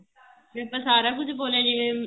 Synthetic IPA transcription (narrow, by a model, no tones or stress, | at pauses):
mepəsaːɾaːkʊd͡ʒboːlẽːd͡ʒi